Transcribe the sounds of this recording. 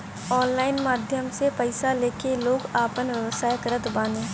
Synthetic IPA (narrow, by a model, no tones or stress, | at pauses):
ɔːnlaːɪnmaːd̪ʱjəmsepəɪsaleːkeloːɡaːpənʋjəʋəsaːjəkɾət̪bãːnẽː